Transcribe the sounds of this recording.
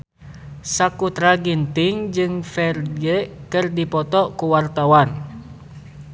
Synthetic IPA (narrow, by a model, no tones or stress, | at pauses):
sakut̪ɾaɡint̪iŋd͡ʒɨŋfɛrɡekɨrdipɔt̪ɔkuwart̪awan